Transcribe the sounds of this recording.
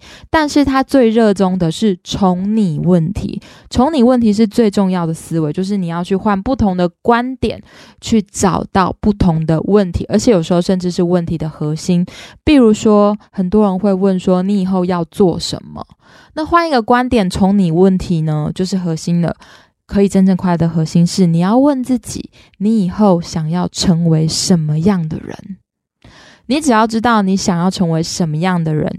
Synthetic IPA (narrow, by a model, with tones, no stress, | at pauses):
t̪a˥˧nʂɻ̩˥˩t̪ʰa˦˥t͡swe˥˧ɪɻɤ˥˨ʈ͡ʂo˦ŋd̪ə˨ʂɻ̩˥˩t͡sʰo˧˥ŋni˨˩wə˥˩nt̪ʰḭ˧˦ʈ͡ʂʰo˧˥ŋni˨˩wə˥˩nt̪ʰi˧˥ʂ̬ɻ̩˥˧t͡swe˥˧ɪʈ͡ʂo˥˧ŋjɑ˥˩ʊd̪ə˩sɹ̩˥we˧˥ɪt͡ɕjo˥˧ʊʂ̬ɻ̩˥˩ni˨˩jɑ˥˧ʊt͡ɕʰy˥˧xwa˥˧npu˥˩t̪ʰo˧˥ŋd̪ə˨kwa˦˥nt̪jɛ̰˨˩˦n | t͡ɕʰy˥˩ʈ͡ʂɑ˨˩ʊt̪ɑ˥˩ʊpu˥˩t̪ʰo˧˥ŋd̪ə˧wə˥˨nt̪ʰi˧˥ʔə˞˧˥t͡ɕʰɛ˨˩˦jo˨˩ʂɻ̩˧˥xo˥˧ʊʂə˥˧nʈ͡ʂɻ̩˥˧ʂɻ̩˥˧wə˥˩nt̪ʰi˧˥d̪ə˨xɤ˧˦ɕi˥npi˥˩ɻu˧˥ʂwɔ˥hə˨˩nt̪wɔ˦˥ɻə˧˦nxwe˥˧ɪwə˥˩nʂwɔ˥ni˧˥i˨˩xo˥˧ʊjɑ˥˧ʊt͡swɔ˥˩ʂə̰˧˦nmə̰˨ | na˥˨xwa˥˧ni˧˥ɡə˨kwa˦˥nt̪jɛ˨˩nt͡sʰo˧˥ŋni˨˩wə˥˩nt̪ʰi˧˥nə˧t͡ɕjo˥˧ʊʂɻ̩˥˩xɤ˧˥ɕi˥nd̪ə̰˨ | kʰɤ˧˦˥i˨˩ʈ͡ʂə˦˥nʈ͡ʂɤ˥˧ŋkʰwa˥˩ɪd̪ə˩xɤ˧˥ɕi˥nʂɻ̩˥˩ni˨˩jɑ˥˧ʊwə˥˧nt͡s̩˥˩t͡ɕḭ˨˩˦ | ni˧˥i˨˩xo˥˩ʊɕjɑ˨˩ŋjɑ˥˩ʊʈ͡ʂʰə˧˥ŋwe˧˥ɪʂə˧˦nmə˧jɑ˥˩ŋd̪ə̰˩ɻə̰˧˦n | ni˨˦ʈ͡ʂɻ̩˨˩jɑ˥˩ʊʈ͡ʂɻ̩˥t̪ɑ˥˩ʊni˧˦˥ɕjɑ˨˩ŋjɑ˥˩ʊʈ͡ʂʰɤ˧˥ŋwe˧˥ɪʂə˧˦nmə˧jɑ˥˩ŋd̪ə˩ɻə̰˧˦n